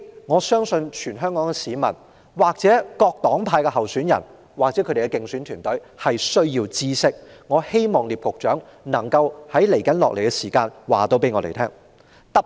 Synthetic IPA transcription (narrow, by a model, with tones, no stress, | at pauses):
ŋɔː˨˧sœː˥ŋsɵ˧nt͡ʃʰyː˨˩nɦœː˥ŋkɔː˨˥ŋɡɛ˧siː˨˧mɐ̰˨˩n | waː˨k̚t͡sɛː˨˥kɔː˧k̚t̪ɔː˨˥ŋpʰaː˧jkɛ˧hɐ˨˩wsyː˨˥njɐ̰˨˩n | waː˨k̚t͡sɛ˨˥kʰɵ˨˧˥ɾe˨˩˧ɛ˧kɪ˧ŋsyː˨˥nt̪ʰyː˨˩nt̪ɵ˨˥ɥ | hɐ˨jsɵ˥ɥjiː˧wt͡siː˥sɪ˥k̚ | ŋɔː˨˧he˥jmɔː˨˩ŋliː˨p̚kʊ˨k̚t͡ʃœː˨˥ŋnɐ˨˩ŋkɐ˧whɐ˨˥jle˨˩jkɐ˨˥nlɔ̰ː˨k̚le˨˩jkɛ˧siː˨˩kaː˧nwaː˨˩t̪o˧˥wpe˨˥jŋɔː˨˧lḛ˨˩jt̪ʰɛː˥ŋ | t̪ɐ˥